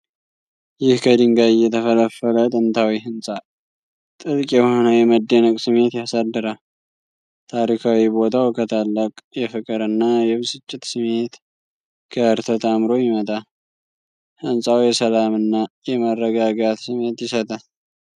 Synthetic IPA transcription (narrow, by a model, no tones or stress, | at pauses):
jɪhkʰəd̪ɨŋɡaɪjːɛt̪ʰəfələfələt̪ʼɨnt̪ʰawiɦɨnsʼa | t̪ʼɨlkʼjɛh̞onəjɛməd̪ːenəkʼsɨme̞t̪jasad̪ːɨɾa | t̪ʰaɾikʰawibo̞t̪ʰawkʰət̪ʰalːəkʼjɛfɨkʼɨɾɨnːajɛβsɨt͡ʃʼːɪt̪sɨme̞t̪ | kʰəɨɾt̪ʰət̪amɾo̞jɪmət̪ʼa | hɨnsʼawjɛsəlamɨnːajɛmərːəɡaɡat̪sɨme̞t̪jɪsət̪ʼa